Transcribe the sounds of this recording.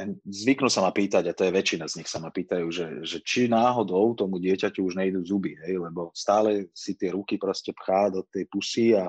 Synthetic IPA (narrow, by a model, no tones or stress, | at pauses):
zʋiknusamapiːt̪aɟat̪ɔjɛʋɛt͡ʃinazɲixsamapiːt̪ajuːʒɛʒɛt͡ʃinaːɦɔd̪ɔʊt̪ɔmuɟɪɛcacuuʒɲɛid̪uːzubiɦɛjlɛbɔst̪aːlɛsit̪ɪɛɾukipɾɔscɛpxaːd̪ɔt̪ːɛjpusia